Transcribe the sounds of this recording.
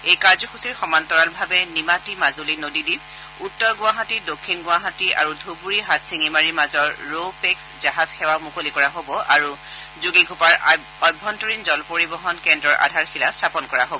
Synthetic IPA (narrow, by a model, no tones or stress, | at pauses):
ejkaɹzɔxusiɹxɔmantɔɹalbʱabɛnimatimazolinodidib | utːɔɹɡʊaɦatidokʰːinɡʊ̃aɦatia̰ɹudʱubuɹiɦatʰsiŋimaɹimazɔɹːopekszaɦazxɛwamukolikɔɹaɦobɔʔaɹu | zuɡiɡʱupaɹ | ɔjbʱːɔntɔɹinzɔlpoɹibɔɦɔnkɛndɹɔɹʔa̰dʱaɹxilastʰapɔnkɔɹaɦobɔ